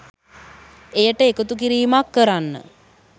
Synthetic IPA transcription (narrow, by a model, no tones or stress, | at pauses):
ejəʈəekut̪uk̬iɾiːmakːəɾanːə̰